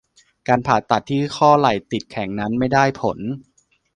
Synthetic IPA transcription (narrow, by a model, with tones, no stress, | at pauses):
kaː˧npʰaː˨˩t̪ːa˨˩t̪ʰːiː˥˩xʰɔː˥˩la˨˩jt̪i˨˩t̪̚kʰɛ˩˦ŋna˦˥nma˥˩jdaː˥˩jpʰo˩˦n